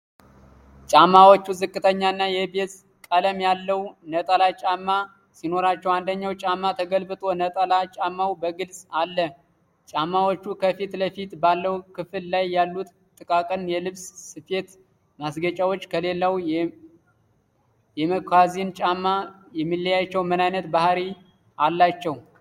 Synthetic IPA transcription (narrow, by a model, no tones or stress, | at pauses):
t͡ʃʼamːawot͡ʃːuzɨkʼːɨt̪ʰəɲːaɨnːajɛbe̞t̪ʼ | kʼələmjalːəwnət̪ʼəlat͡ʃʼamːa | sino̞ɾat͡ʃːɛwand̪əɲːawt͡ʃʼamːat̪ʰəɡəlbɨt̪ʼo̞nət̪ʼəlat͡ʃʼamːawbəɡɨlsʼalːə | t͡ʃʼamːawot͡ʃːukʰəfit̪ləfit̪balːəwkʰɨfɨllajːalːut̪ | t̪ʼːɨkʼakʼɨnjɛlɨβssɨfe̞t̪ | masɡət͡ʃʼawot͡ʃːkʰəle̞lːaw | jɛməkʰʷazint͡ʃʼamːa | jɛmːɨlːəjat͡ʃːɛwmənajnət̪bahɾi | ʔalːat͡ʃːɛw